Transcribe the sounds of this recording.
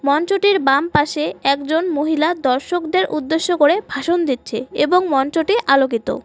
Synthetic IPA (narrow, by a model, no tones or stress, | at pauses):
mɔnt͡ɕoʈiɾbampaʃeɛkd͡ʑonmoɦilad̪ɔɾʃokd̪eɾʔud̪ːeʃːokoɾebʱaʃond̪it̪ːɕʰḛeboŋmɔnt͡ɕoʈiʔalok̬it̪o̰